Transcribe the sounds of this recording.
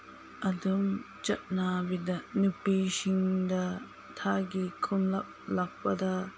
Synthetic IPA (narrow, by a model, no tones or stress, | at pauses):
ʔɐdum | t͡ʃɐt̚nabidɐnupisiŋdɐ | tʰaɡikʰunlɐp̚lak̚pɐdɐ